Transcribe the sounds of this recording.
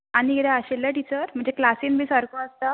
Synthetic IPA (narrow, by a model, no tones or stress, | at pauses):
añiid̪aəɕelːaʈit͡ɕəɾm̤əɳd͡zeklasinbʱiːsəɾkoəst̪a